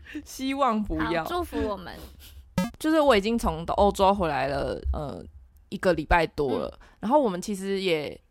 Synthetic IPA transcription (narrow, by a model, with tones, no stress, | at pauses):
ɕi˦wɑ˥˨ŋpu˨˦jɑ˥˨ʊu˥˧fu˧˦wɔ˨˩mə̰˨˦nt͡ɕjo˥˧ʊʂɻ̩˥˩wɔ˨˧i˨˩t͡ɕi˥ŋt͡sʰo˧˦ŋd̪ə̰˧ʔo˥ʊʈ͡ʂo˥ʊxwe˧˥ɪla˧˦ɪlə̰˧˨ʔə̰˧˩ | i˧˥ɡə˨li˨˩pa˥˩ɪt̪wɔ˦lə̰˩˨na˧˥nxo˥˩ʊwɔ˨˩mə˨˦nt͡ɕʰi˧˥ʂɻ̩˨˧˦jɛ˨˩